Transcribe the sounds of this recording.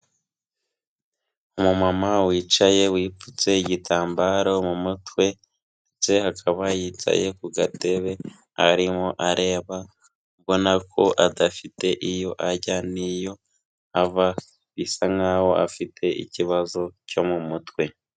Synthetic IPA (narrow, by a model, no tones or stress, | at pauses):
umumamawiːt͡ʃaje̞wiːput͡se̞iɟitʰaːmbaɾomumutwe̞ | ndet͡se̞hakʰaβajiːt͡ʃa̰je̞kuɡate̞βe̞ | aɾimoʔaɾe̞ːβa | βo̞nakʰo̞ʔadafite̞ʔijo̞ʔaɟanijo̞ | ava | βisaŋawo̞ʔa̰fitʰe̞ʔḭciβazo̞co̞mumutwe̞